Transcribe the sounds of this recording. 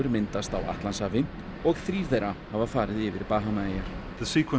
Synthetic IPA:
ʏɾmɪnt̪ast̪a̰wa̰ht̪lansaːvɪ | ɔɣθɾiːv̥θejɾahavafaːɾɪðɪːvɪ̰ɾpaːɦanaejaɾ̥ðəsiːkʰwə

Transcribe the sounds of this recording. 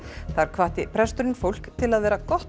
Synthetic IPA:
θaɾ̥kʰvaːht̪ɪpʰɾɛst̪ʏɾɪnfowl̥kt̪ʰɪlaðvɛːɾakɔht̪

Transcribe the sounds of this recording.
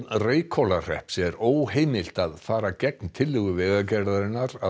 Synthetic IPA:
reːjkʰɔlar̥ɛ̰hpsɛɛɾoːwɦeːjmɪl̥t̪aðfaːɾacɛk̚nt̪ʰɪlːɪɣʏvɛːɣacɛɾðaɾɪnːaɾa

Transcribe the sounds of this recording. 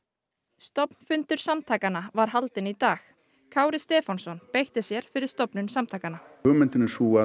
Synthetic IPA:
st̪ɔpnfʏnt̪ʏɾ̥samt̪ʰaːkanavaɾ̥ɦalt̪ɪnit̪aːx | kʰaːwɾɪst̪ɛːfansɔnpejht̪ɪsjɛɾ̥fɪɾɪɾ̥st̪ɔpnʏnsamt̪ʰaːjkana | ʏmɪnt̪ɪnɪsuːa

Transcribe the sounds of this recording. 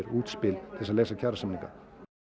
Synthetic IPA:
ɾuːt̪spɪlt̪ʰɪlsaðleːjsacʰaɾasamnĩŋka̰

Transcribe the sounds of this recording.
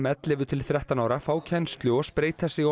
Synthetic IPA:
mɛt̪lɪvʏt̪ʰɪlθɾɛht̪anaːwɾafaːwcʰɛnst̪lʏɔspɾeːjt̪θasɪ

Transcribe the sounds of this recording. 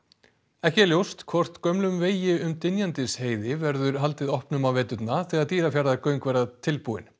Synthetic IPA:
ɛhcɛljowst̪kʰvɔr̥t̪kœmlʏmveːjɪʏmt̪ɪnjant̪ɪsheːjðɪvɛɾðʏɾ̥ɦal̪t̪ɪðɔhpnʏmawvɛːt̪ʏt̪naθɛɣaðt̪iːɾafjaɾðakœɥŋkvɛɾðat̪ʰɪlpuɪ̰n

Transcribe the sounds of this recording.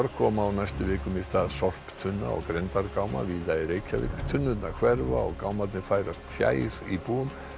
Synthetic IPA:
ɔɾkʰɔmaːwnajst̪ʏvɪːkʏmɪst̪aðsɔfpt̪ʰʏnːa̰ɔ̰ɣkɾɛnt̪aɾkawma̰viːðaɾejcʰavɪ̰kt̪ʰʏnːʏt̪nakʰvɛɾvaɔ̰ɣkawmat̪nɪfaːjɾast̪fja̰ːjɾ̥ipuːʏm

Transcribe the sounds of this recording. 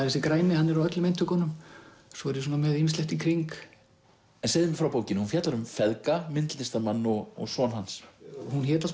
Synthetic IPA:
aθɛsɪkɾaːjnɪhanːɛɾawœt̪lʏmejnt̪ʰːʏkɔnːʏm | sɔɛɾjɪs̬uːnamɛðimɪst̪ɛht̪ikʰɾiŋk | ɛnseːðɪmɛfɾawpoːwcɪnhunfjat̪laɾʏmfɛðkamɪnt̪l̥t̪ɪst̪amanːɔɣɔ̰ɣsɔnɦanshunçɛːt̪as

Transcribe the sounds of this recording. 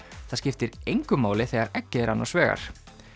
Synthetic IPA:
θaðscɪft̪ɪɾejŋkʏmaːwlɪθɛɣaɾɛcːɪɛɾanːa̰svɛːɣa̰ɾ̥

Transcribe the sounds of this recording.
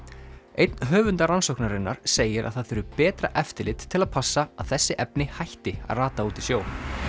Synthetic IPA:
ḛjt̪nɦœːvʏnt̪aɾansɔwknaɾɪnːaɾ̥seːjɪɾʔa̰ðθaðfʏːɾʏpɛːt̪ɾa̰ʔɛft̪ɪlɪt̪ʰːɪlaðpʰasːaaðθɛsːɪʔɛpnɪhajht̪ɪa̰ðraːt̪auːt̪isjoːw

